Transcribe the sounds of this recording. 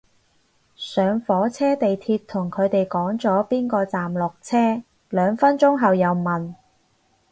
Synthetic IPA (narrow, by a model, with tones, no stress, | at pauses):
sœː˨˧ŋfɔː˨˥t͡sʰɛː˥t̪e˨jt̪ʰiː˧t̚t̪ʰʊ˨˩ŋkʰɵ˨˧ɥt̪e˨jkɔː˨˥ŋt͡sɔː˨˥piː˥nkɔː˧t͡saː˨mlʊ˨k̚t͡sʰɛː˥ | lœː˨˧ŋfɐ˥nt͡sʊ˥ŋɦɐ˨wjɐ˨˧wmɐ˨n